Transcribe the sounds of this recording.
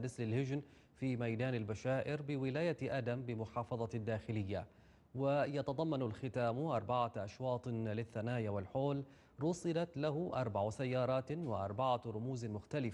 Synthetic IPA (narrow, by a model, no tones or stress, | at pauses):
nɪslɪlhɪd͡ʒn | fiːmajd̪aːnɪlbaʃaːʔɪɾbɪwɪlaːjaʔad̪ambɪmʊħɑːfɑðˤɑd̪ːaːxɪlɪjːa | wɪjɑt̪ɑd̪ˤɑmːɑnalxɪt̪aːmʔɑɾˤbaʕaʔɑʃwɑːt̪ˤlɪθːanaːjawɪlħoːl | ɾʊsˤɨlat̪lahʊʔɑɾˤbaʕsajːɑːɾˤɑːt̪wɪʔɑ̰ɾˤbaʕaɾˤʊmuːzmʊxt̪alɪ